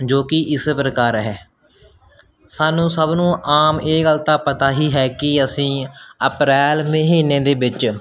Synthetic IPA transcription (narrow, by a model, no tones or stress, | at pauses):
d͡ʒoːkɪʔɪspɾəkaːɾɦɛː | saːnũːsəbnũːʔaːmeːɡəlt̪aːpət̪aːɦiːɦɛːkɪəsĩːəpɾɛːlməɦiːneːd̪eːbɪt͡ʃ